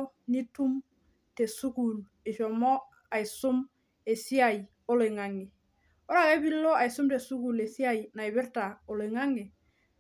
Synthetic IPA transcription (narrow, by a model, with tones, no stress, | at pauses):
ni˦tu˦m | te˨su˦ku˨l | e˨ʃɔ˨mɔ˦ | a˨i˨sʊ˦m | e˨si˦a˨j | o˦le˨ŋa˨ŋe˨ | o˦ɾa˨ka˦bi˦lːo˦a˨i˨su˦mte˨su˦ku˨le˨si˦a˦jna˨i˨bɪ˦ɾta˨o˨le˨ŋa˦ŋe˨